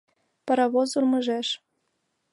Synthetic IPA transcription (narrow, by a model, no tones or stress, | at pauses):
pɑɾɑβozurmɤ̆ʒeʃ